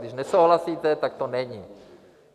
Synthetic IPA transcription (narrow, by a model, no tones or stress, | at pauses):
d̪iʒnɛsowɦlasiːt̪ɛt̪ak̚t̪onɛɲiː